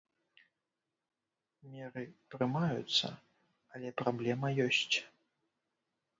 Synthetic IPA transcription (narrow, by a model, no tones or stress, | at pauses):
mʲɛɾɨt̪ɾɨmajut̪sːɐ̰ | ɐlʲɛpɾablʲɛmɐjɔsʲt͡sʲ